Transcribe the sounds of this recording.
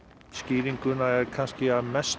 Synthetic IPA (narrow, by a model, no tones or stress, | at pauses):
sciːɾiŋkʏnaɛɾkʰanscɪaðmɛst